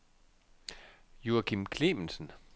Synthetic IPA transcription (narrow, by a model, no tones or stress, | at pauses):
juɐkʰimkʰle̝mən̩sən̩